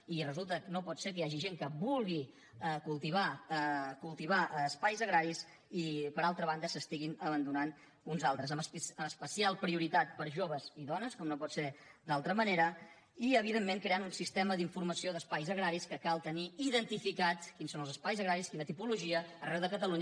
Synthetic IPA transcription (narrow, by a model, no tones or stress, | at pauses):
irəzulˠt̪əknopɔt̪seɾk̬əjaʒiʒeŋkəβulˠɣi | əkulˠt̪iβ̞a | kulˠt̪iβaʔəspajzəɣɾaɾis | ipəɾalˠt̪ɾəβ̞and̪əsəst̪iɣinəβənd̪unan | unzalˠt̪ɾəzəməspəəspəsialˠpɾiuɾit̪at̪̚pəɾʒoβəziðɔnəskɔmnopɔt̪seɾd̪alˠt̪ɾəməneɾə | iəβ̞iðemːeŋkɾeanunsist̪ɛməðiɱfuɾməsioðəspajzəɣɾaɾiskəkalˠt̪əniiðənt̪ifikat̪kinsonlzəspajzəɣɾaɾiskinət̪ipuluʒiəərɛwðəkət̪əluɲ